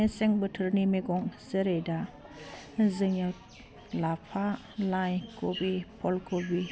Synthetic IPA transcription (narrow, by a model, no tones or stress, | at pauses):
eseŋbətʰɯɾnimeɡɔŋzəɾejda | zɯŋɯt | lapʰa | lajkobipʰɔlkobi